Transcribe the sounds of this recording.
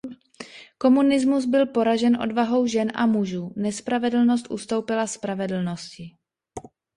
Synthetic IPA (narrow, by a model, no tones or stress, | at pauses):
ko̞munɪzmuzbɪlpo̞ɾaʒɛnʔo̞̰dvaɦo̞wʒɛnʔa̰muʒuːnɛspɾavɛdl̩no̞s̬t̪ʔṵst̪o̞wpɪlaspɾavɛdl̩no̞scɪ